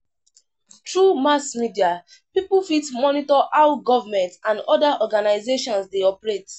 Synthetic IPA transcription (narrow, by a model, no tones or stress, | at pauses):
tɹumasmidia | pipfitmɔnitɔʔaʊɡɔvamɛ̃ntãndɔdaʔɔɡanaɪzeʃɔ̃nsdeɔpɹet